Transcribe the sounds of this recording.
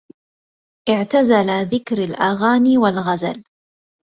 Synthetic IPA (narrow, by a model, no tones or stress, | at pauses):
ʔɪʕt̪azalaðɪkɾalʔaɣaːniːwalɣaza̰l